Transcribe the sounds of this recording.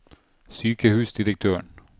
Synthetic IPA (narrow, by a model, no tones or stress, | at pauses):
syːkəhʉːsd̪ɪɾək̚t̪ʰøːɳ